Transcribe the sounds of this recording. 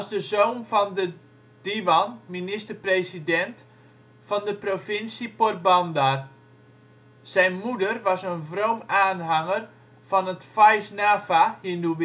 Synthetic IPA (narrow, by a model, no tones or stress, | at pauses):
sdəzoːnfɔndə | d̥iʋɔnminɪstərpresidɛnt | fɔndəprofɪnsiport̚bɔndar | sɛjnmudərʋɔsənvrowmaːnɦaŋər | fɔnətfajsnaːfahinduʋ